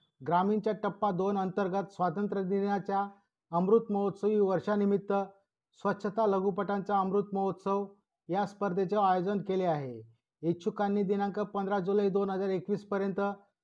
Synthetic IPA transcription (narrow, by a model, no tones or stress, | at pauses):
ɡɾamint͡ɕjaʈəpːad̪onənt̪əɾɡət̪sʋat̪ənt̪ɾəd̪injat͡ɕja | əmɾut̪məɦot̪səʋiːʋəɾʂanimit̪ːə | sʋətːɕʰət̪aləɡupəʈant͡saəmɾut̪məɦot̪səʋ | jaspəɾd̪ʱet͡ɕeajod͡zənkeleaɦe | ekt͡ɕukanːiːd̪inãŋkəpənd̪ɾad͡zulaid̪onɦəd͡zaɾekʋiːspəɾjənt̪ə